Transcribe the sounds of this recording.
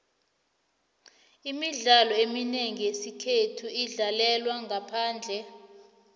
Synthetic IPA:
imiɮalɔemineŋijesikʰetʰuiɮalɛlwaŋapʰaːnd͡ɮʱɛ

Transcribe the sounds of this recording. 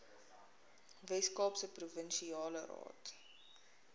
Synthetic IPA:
vɛskɑːpsəpruvənʃiɑːlərɑ̰ːt

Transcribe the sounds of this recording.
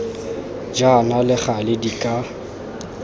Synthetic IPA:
d͡ʒanalɪχalɪdikʼa

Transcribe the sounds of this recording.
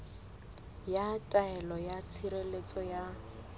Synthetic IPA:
jatʼaɛlɔjat͡sʰiɾelet͡sʼɔja

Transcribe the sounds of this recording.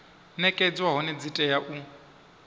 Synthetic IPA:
nɛkʼɛd͡zwaɦɔnɛd͡zitʼɛjaʔu

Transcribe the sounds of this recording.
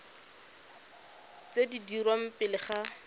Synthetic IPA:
t͡sedidiɾwam̩pɪlɪχa

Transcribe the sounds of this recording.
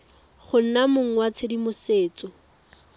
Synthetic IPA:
χʊn̩namʊŋ̩wat͡sʰɪdimʊseːt͡sɔ

